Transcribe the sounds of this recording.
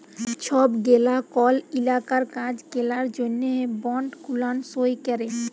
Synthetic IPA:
t͡ʃʰɔbɡelakɔlilakaɾkãd͡ʑɡelaɾd͡ʒonːeɦebɔɳɖkʰulansojkɛɾe

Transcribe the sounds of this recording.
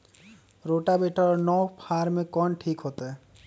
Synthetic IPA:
ɾoʈabeʈɔɾnɔwpʰaɾmẽkɔnʈʰikɦot̪e

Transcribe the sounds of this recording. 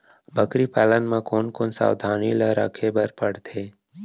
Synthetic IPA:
bəkɾipɛːlənmẽkoːnkoːnsa̰ːwd̪ʱaːniləɾa̰kʰebəɾpəɽt̪ʰeː

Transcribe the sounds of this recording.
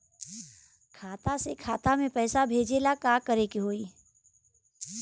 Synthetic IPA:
kʰaːt̪asekʰaːt̪amẽpɛːsabʱeːd͡ʒeːlakaːkəɾekiɦoːiː

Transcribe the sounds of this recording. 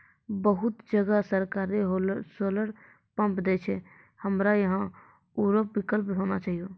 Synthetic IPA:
bəɦʊt̪d͡ʒəɡasəɾkaːɾeɦosoːləɽ | pə̃mpd̪eːt͡ʃʰɛ | həmɾajɐɦã | juːɾopwɪkəlpɦoːnat͡ʃaːɦijoː

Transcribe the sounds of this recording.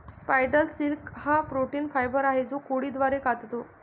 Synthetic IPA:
spajɖəlsilkhãpɾoʈiːnfajbəɾaɦed͡zokoɽiːd̪ʋaɾekat̪t̪o

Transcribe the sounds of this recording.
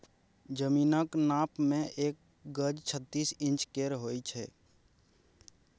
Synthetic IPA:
d͡ʒəmiːnəknaːpmẽʔeːk̚ | ɡəd͡ʒt͡ʃʰət̪ːiːsɪ̃nt͡ʃkeɾɦojt͡ʃʰɛː

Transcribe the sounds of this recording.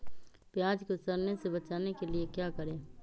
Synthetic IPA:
pjaːd͡ʒkosɐɾnesebɐt͡ʃaːnekeliekjaːkɐɾẽː

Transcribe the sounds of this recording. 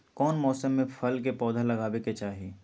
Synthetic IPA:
kɔːnmɔːsəmːẽfʰɐlk̬epɔːd̪ʱalɐɡaːweket͡ʃaːɦiː

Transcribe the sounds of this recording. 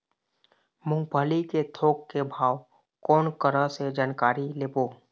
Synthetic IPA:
mʊ̃ŋɡpəliket̪ʰoːkːebʱaːw | kɔːnkəɾəsed͡ʒaːnkaːɾileːboː

